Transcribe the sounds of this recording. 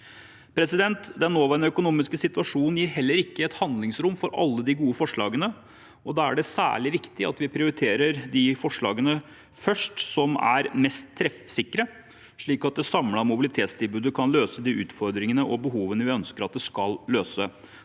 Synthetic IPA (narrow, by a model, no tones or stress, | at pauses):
pʰɾɛsɪd̪ɛnt̪d̪ɛnːoːʋæɳəœkʊnuːmɪskəsɪt̪ʋɑʂuːnn̩jiːɾɦɛlːəɾɪkːəɛt̪hɑnd̪lɪŋsɾʊmfɔɾʔɑ̰lːəd̪ɪɡuːəfɔʂɭɑ̰ːɡənə | ɔd̪ɑːæ̰ɖɛsæ̰ːɭɪʋɪkt̪ɪɑ̰t̪ʋɪpʰɾɪʊɾɪt̪ʰeːɾəɾd̪ɪfɔʂɭɑ̰ːɡənə | fœʂʈsɔmæ̰ɾmɛst̪ʰːɾɛfsɪkːɾə | ʂɭiːkɑt̪̚d̪ɛsɑmlɑmʊbɪlɪt̪ʰeːt̪st̪ʰɪlbʉːd̪əkʰɑnløːsəd̪iʉːt̪fɔɾd̪ɾɪŋənəʔɔbəɦuːʋənəʋɪœnskəɾɑt̪̚d̪ɛskɑlløːsə